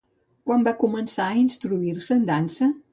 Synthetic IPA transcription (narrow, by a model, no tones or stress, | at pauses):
kwambakumənsaəinst̪ɾuiɾsənd̪ansə